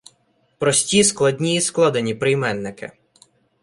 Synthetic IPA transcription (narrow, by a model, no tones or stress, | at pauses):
pɾɔsʲtʲisklˠɐdʲnʲijːsklˠɔd̪enʲipɾɪjmɛnːɪkɪ̰